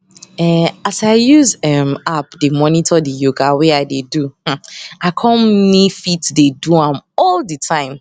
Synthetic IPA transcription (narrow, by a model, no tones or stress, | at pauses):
ɛasaɪjuzɛmapdemɔnitʰɔdijoɡawɛaɪdeduh̩akʰɔ̃mmifitdeduãmɔldətʰãɪ̃m